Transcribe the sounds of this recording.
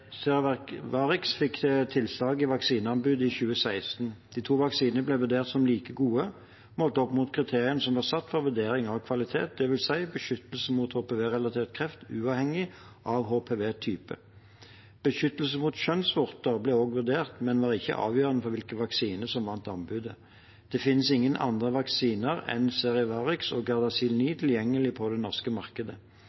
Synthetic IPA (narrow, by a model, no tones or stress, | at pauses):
siʋɑːʁɪksfɪkːt̪ʰɪlslɑːɡɪʋɑksiːnəɑnbʉːd̪ɪçʉːəsæɪst̪n̩d̪̥iːt̪ʰuːʋɑksiːnənəblɛʋʉʁd̪eːʁt̪sɔmliːkəɡuːə | mɔlt̪əɔpːmuːt̪̚kʰʁɪt̪ʰeːʁɪənəsɔmʋɑːʁsɑt̪ːfɔʁʋʉd̪eːɾɪŋɑʋkʰʋɑlɪt̪ʰḛːt̪̚d̪ɛʋɪlsæɪbəʃʏt̪əlsəmuːt̪hoːpeːʋeːʁɛlɑt̪ʰeːʁt̪kʰʁɛft̪ʉːɑːʋhɛŋːɪ | ʔɑʋɦoːpʰeːʋeːt̪ʰyːpə̰ | b̥əʃʏt̪ːəlsəmuːt̪ɕœnsʋʊʁt̪əʁblɛoːɡʋʉʁd̪eːʁt̪mɛnʋɑːʁɪçːə̰ʔɑ̰ːʋjøːʁənəfɔʁʋɪlkəʋɑksiːnəsɔmʋɑnt̪ɑnbʉːd̪ə | d̪̥ɛfɪnːəsɪŋːənʔɑ̰nd̪ʁəʋɑksiːnəʁɛ̰nseːʁɪʋɑːʁɪksɔːɡɑʁd̪ɑsiːlniːt̪ʰɪljɛŋːəlɪpʰɔd̪ɛnɔʁskəmɑʁkəd̪ə